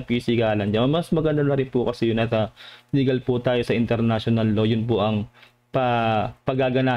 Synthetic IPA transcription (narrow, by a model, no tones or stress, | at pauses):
pisɪɡaːlɐnd͡ʒɐmɐmɐsmɐɡɐnd̪anɐɾɪnpʊkɐsɛjʊnʔɐt̪ɐlɪɡɐlpʊt̪aːjo̞sɐʔɪnt̪ɛɾnaʃonɐlːo̞jʊnpʊʔɐŋ | pɐpɐɡaːɡɐnaː